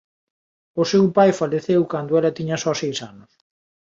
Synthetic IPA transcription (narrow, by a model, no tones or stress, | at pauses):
ʊsewpajfaleθewkand̪ʊɛlɐt̪iɲɐsɔsejsanʊs